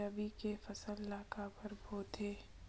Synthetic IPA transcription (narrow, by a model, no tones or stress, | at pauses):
abikefɐsəllaːkapəɾbʱoːt̪eː